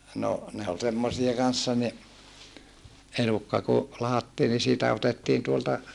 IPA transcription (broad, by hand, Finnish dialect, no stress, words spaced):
no ne ol semːosie kɑnsːɑ ni elukːɑ ku lɑhɑtːiː ni siːtæ otetːiːn tuoltɑ